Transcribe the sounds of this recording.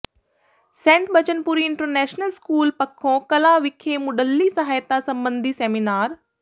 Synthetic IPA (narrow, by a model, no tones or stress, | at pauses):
sẽːɳʈɓɐt͡ɕənɪ̆puːɾiɪ̃ɳʈəɾnɛːʃnəlskuːlpɐkʰːõkɐlaʋɪkʰemʊɗəlːisɐɦaːjt̪asɐ̃mbə̃nd̪ʱiseːminaːɾ